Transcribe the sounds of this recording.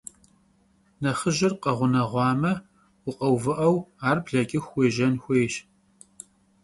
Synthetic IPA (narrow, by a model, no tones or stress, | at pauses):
nɐχəʒɪrqɐʁʷʊnɐʁʷɑːmɐ | wʊqʼɐwvɨʔɐwaːrbɮɐkʲʼɪxweːʒɐnxʷeːʃ